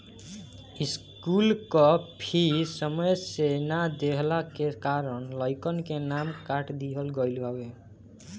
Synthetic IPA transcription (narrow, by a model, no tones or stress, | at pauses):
is | kulkɔpʰisɔmɔjesenad̪eɦlakekaɾɔnlɔjkɔnkenamkaʈd̪iɦɔlɡɔjluawe